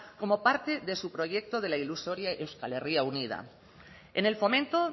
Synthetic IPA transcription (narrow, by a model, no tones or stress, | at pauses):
ko̞mo̞paɾt̪e̞ðe̞supɾo̞ʝe̞k̚t̪o̞ð̞e̞lailuso̞ɾjaʔewskale̞riaunið̞a̰ | ḛne̞lfo̞mẽnt̪o